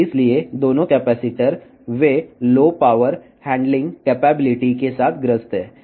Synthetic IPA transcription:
ɪslied̪oːnõkɛpɛːsɪʈəɾ | ʋeloːpaːʋəɾ | hɛ̃ːɳɖlɪ̃ŋɡkɛːpɛːbɪlɪʈikesaːt̪ʰɡɾəst̪ɦɛː

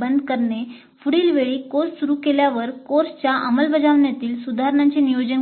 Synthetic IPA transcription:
bənd̪ʱkəɾɳe | fuɽiːlʋeɭiːkoɾssuɾuːkeljaʋəɾkoɾst͡ɕjaʔəməlbəd͡zaʋɳjat̪iːlsud̪ʱaɦɾɳãɲt͡ɕenijod͡ʑən

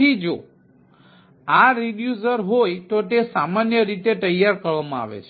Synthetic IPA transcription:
id͡ʒo | aɾiɗjuzəɾɦojt̪ot̪esamanjəɾit̪et̪əjːaɾkəɾʋamãa̰ʋḛt͡ʃʰe

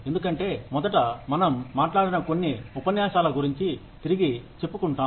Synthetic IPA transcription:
end̪ukɐɳʈe̞ːmɔd̪ɐʈ̬ɐmɐnɐmːaːʈlaːɽinɐko̞nːiupɐnjaːʃaːlɐɡuɾiɲt͡ʃi | t̪iɾiɡit͡ʃe̞pːukuɳʈaː

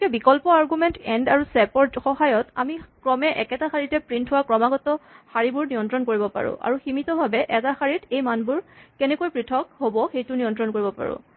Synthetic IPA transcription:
kɛbikɔlpɔaɹɡumɛntɛndaɹusɛpɔɹtxɔhajɔta̰mikɹɔmɛʔɛ̰kɛtaxaɹitɛpɹintɦʊwakɹɔmaɡɔtɔxaɹibʊɹnijɔntɹɔnkoɹibɔpa̰ɹʊ̰̃ʔa̰ɹuximitɔbʱabɛʔɛtaxaɹitʰejmanbuɹkɛnɛkojpɹitʰɔk̚hobɔxejtʊnijɔntɹɔnkoɹibɔpa̰ɹʊ̰̃

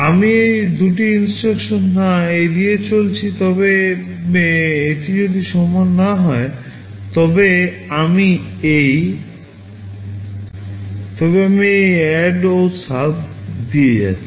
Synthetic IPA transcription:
amiejd̪uʈiinsʈɾekʃonːaejd̪ijet͡ɕolt͡ɕʰit̪ɔbe | eʈid͡ʑod̪iʃɔmonaɦɔe | t̪ɔbe | amiej | t̪ɔbeamiejɛɖosapd̪ied͡ʑa̰t͡ɕʰi

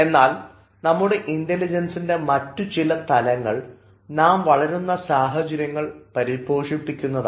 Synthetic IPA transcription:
e̞nːaːl | nɐmːuɽe̞ʔindelid͡ʑɐnsinde̞mɐtːut͡ɕilɐt̪ɐlɐŋːɐɭ | naːmʋɐɭɐɾunːɐsaːɦɐt͡ɕɐɾjɐŋːɐɭpɐɾibo̞ːʂipːikʲːunːɐða

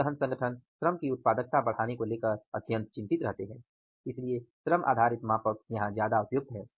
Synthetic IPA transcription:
əɦənsɐ̃ŋɡəʈʰənʃɾəmkiʊt̪̚paːd̪ək̚t̪abɐɽ̤aːnekoleːkəɾɐd̪ʱjə̃nt̪̚t͡ʃɪ̃nt̪ɪt̪ɾɐɦt̪eɦɛ̃ː | ɪslieʃɾəmʔa̰ːd̪ʱaːɾɪt̪maːpək̚jɐɦãzjaːd̪aʊpjʊk̚t̪ɦɛː

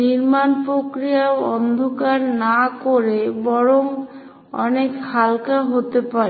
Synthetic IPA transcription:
niɾmanpɾokɾijaɔnd̪ʱokaɾnakoɾebɔɾoŋ | ɔ̰nekhalkaɦot̪epaɾe

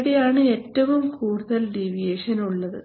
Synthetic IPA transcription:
ðejaːɳɨe̞ːtːɐʋumkuːɽuðɐlɖiʋijeːʂɐnuɭːɐðɨ̰

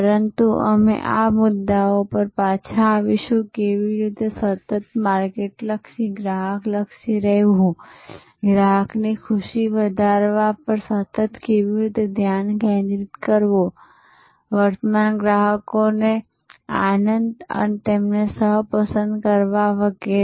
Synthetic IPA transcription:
pəɾənt̪uʔə̰mḛʔa̰mʊd̪ːaopəɾpat͡ʃʰaːʋiʃũkeʋiɾit̪esət̪ət̪maɾkeʈləkʃiɡɾaɦəkləkʃiɾəɦuɦũ | ɡɾaɦəknikʰʊʃiʋəd̪ʱaɾʋapəɾsət̪ət̪keʋiɾit̪ed̪ʱjankɛ̃nd̪ɾit̪kəɾʋo | ʋəɾt̪əmanɡɾaɦəkone | a̰nənd̪ə̰net̪emnesəɦpəsənd̪kəɾʋaʋəɡe

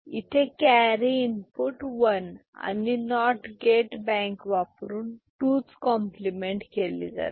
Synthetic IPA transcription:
it̪ʰekæɾiinpuʈʋəna̰ninɔʈɡeʈbɛ̃ŋkʋapɾuːnʈut͡skɔmplimeɳʈkelḭd͡za̰ɾ

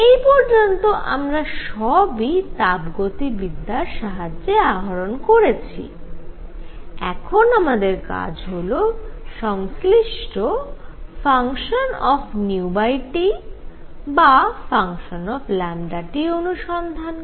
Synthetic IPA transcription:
ejpɔɾd͡ʑont̪oʔa̰mɾaʃɔbit̪abɡot̪ibid̪ʱːaɾʃaɦad͡ʑːeaɦaɾonkoɾet͡ɕʰḭ | ɛkʰonamad̪eɾka̰d͡ʑɦoloʃɔŋsliʃʈofaŋʃonɔfʰniubajʈi | bafaŋʃonɔfʰlɛmɖaʈionuʃɔnd̪ʱan

